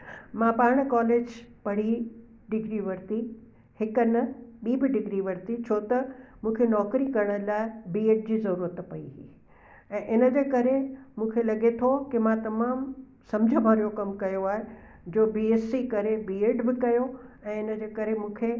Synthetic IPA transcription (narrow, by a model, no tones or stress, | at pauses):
mãpaːɽ̃ə̆kaːleːd͡ʑpɐɽ̤i | ɖɪɡɾiʋɐɾt̪i | hɪkənɐɓiːbɪɖɪɡɾiʋɐɾt̪it͡ɕʰoːt̪ɐmũːkʰenɔːkɾikɐɾəɽ̃ə̆laːɪbiːeːɖ̚d͡ʑiːzɐɾuːɾət̪pɐḭɦi | ɛ̃ːʔɪnə̆d͡ʑeːkɐɾemũːkʰelɐɠet̪ʰokɪmãt̪ɐmaːm | sɐ̃md͡ʑʱəbʱaːɾijokɐmkɐjoaːɦe | d͡ʑoːbiːeːsikɐɾebiːeːɖbɪkɐjoɛ̃ːɪnəd͡ʑeːkɐɾemũːkʰe